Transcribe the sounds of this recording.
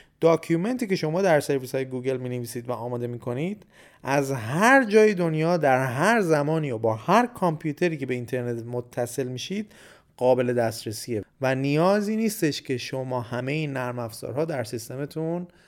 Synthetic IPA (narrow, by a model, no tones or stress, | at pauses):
d̪̥ɒːkʰume̞nt̪ʰiːcʰe̞ʃo̞mɒːd̪æɾse̞ɾvishɒːjeɡuːɡe̞lmiːneviːsiːd̪væɒːmɒːd̪e̞miːkʰo̞nid̪̥ | ʔæzɦæɾd͡ʒɒːjed̪o̞njɒːd̪æɾɦæɾzæmɒːniːobɒːhæɾkʰɒmpʰjuːt̪ʰe̞ɾiːkcʰe̞be̞int̪ʰe̞ɾne̞t̪mot̪ʰːæse̞lmiːʃid̪ | ɢɒːbe̞le̞d̪æst̪ɾesiːevænijɒːziːniːst̪e̞ʃcʰe̞ʃo̞mɒːhæmejinːæɾmæfz̥ɒ̰ːɾhɒːd̪æɾsist̪e̞met̪ʰun